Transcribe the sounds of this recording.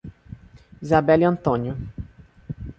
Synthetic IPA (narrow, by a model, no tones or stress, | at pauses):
izabɛliɐ̃nt̪õnjʊ